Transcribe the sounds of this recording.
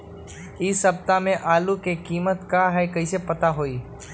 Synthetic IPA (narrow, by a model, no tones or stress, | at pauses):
ɪsəb̚t̪amẽʔaːlukekiːmət̪kaɦɛːkəisepət̪aɦoːiː